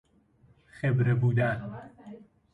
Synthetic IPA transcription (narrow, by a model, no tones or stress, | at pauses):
xebɾebuːd̪æn